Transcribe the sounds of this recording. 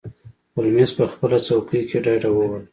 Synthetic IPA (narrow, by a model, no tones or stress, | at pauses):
ʊlmespəxpəlat͡sawkəkʰeɖɑjɖawəwəl